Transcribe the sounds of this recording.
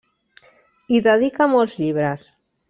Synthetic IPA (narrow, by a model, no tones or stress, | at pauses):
iðəðikamɔlˠzʎiβɾəs